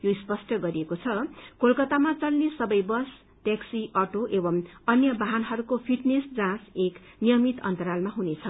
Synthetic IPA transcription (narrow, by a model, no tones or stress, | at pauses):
joispʌsʈʌɡʌɾiekot͡sʰʌkolkʌt̪amat͡sʌlnesʌbʌjbʌs | ʈeksiʔʌʈoʔebʌmʌnjʌbaɦanɦʌɾukopʰiʈnesd͡zãseknijʌmit̪ʌ̰nt̪ʌɾalmaɦunet͡sʰʌ